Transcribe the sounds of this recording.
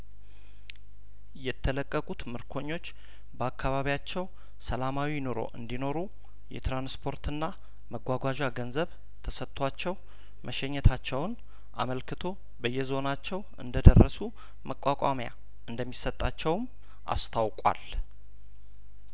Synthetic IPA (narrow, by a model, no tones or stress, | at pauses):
jɛt̪ʰːələkʼːəkʼut̪mɨɾkʰo̞ɲːo̞t͡ʃː | bəakʰːaβaβijat͡ʃːɛw | səlamawino̞ɾo̞̰ʔɨnd̪ino̞ɾu | jɛ̰t̪ɾanspʰo̞ɾt̪ɨnːa | məɡʷwaɡʷaʒaɡənzəβ | t̪ʰəsət̪ʰʼːwat͡ʃːɛw | mʔəʃɛɲːɛt̪ʰat͡ʃːɛwn | ʔa̰məlkʰɨt̪ʰo̞ | bəjːɛzo̞nat͡ʃːɛw | ɨ̰nd̪əd̪ərːəsu | məkʼːakʼamja̰ | ʔɨnd̪əmːisət̪ʼːat͡ʃːɛwm | ʔa̰st̪ʰawkʼa̰l